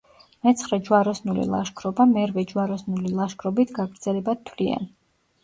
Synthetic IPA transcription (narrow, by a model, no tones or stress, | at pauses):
mɛt̪sʰχɾɛd͡ʒwaɾɔsnulḭlˠa̰ʃkʰɾɔbamɛɾvɛd͡ʒwaɾɔsnulilˠaʃkʰɾɔbit̪ʰɡaɡɾd̪zɛlɛbat̪ʰwlia̰n